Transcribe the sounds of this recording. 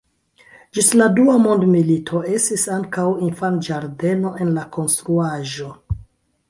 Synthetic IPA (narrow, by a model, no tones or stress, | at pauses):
d͡ʒisladuamo̞ndmilitʰo̞e̞stisaŋkawinfand͡ʒaɾde̞no̞ʔe̞nlako̞nstɾuaʒo̞